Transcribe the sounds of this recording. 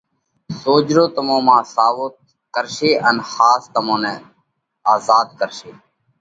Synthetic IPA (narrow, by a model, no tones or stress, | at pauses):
soːd͡ʒɾoːt̪əmõːmãːsaːʋoːt̪ | kəɾʃeːʔənxaːst̪əmõːnɛ̃ː | aːzaːd̪̚kəɾʃeː